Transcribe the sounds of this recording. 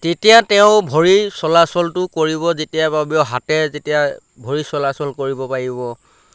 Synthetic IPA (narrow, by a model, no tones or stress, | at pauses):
tetijatɛʊ̃bʱoɹisɔlasɔltʊkoɹibɔzetijababjɔɦatɛzetija | bʱoɹisɔlasɔlkoɹibɔpaɹibɔ